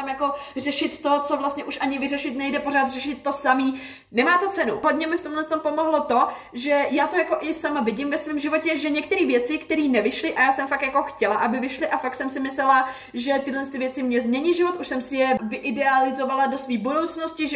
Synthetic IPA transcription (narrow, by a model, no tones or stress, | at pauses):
amjako̞r̝ɛʃɪt̪ːot͡so̞vlast̪ɲɛʔuʃʔaɲɪvɪrɛʃɪt̪nɛjdɛpo̞ɾaːt̪r̥ɛʃɪt̪̚ːo̞samiː | nɛmaːt̪o̞t͡sɛnuɦodɲɛmɪft̪o̞mlɛnst̪ompo̞mo̞ɦlo̞t̪o̞ | ʒɛjaːt̪ojako̞ʔɪsamavɪɟɪmvɛsviːmʒɪvo̞cɛʒɛɲɛk̚t̪ɛɾiːvjɛt͡sɪkt̪ɛɾiːnɛvɪʃlɪʔajaːsɛmfakt̪jako̞xcɛlaʔabɪvɪʃlɪʔafak̚t̪sɛmsɪmɪslɛla | ʒɛt̪ɪdlɛnst̪ɪvjɛt͡sɪmɲɛzmɲɛɲɪʒɪvo̞t̪ʔuʃsɛmsɪjɛvɪʔɪdɛalɪzo̞valado̞sviːbodowt͡snoscɪʒ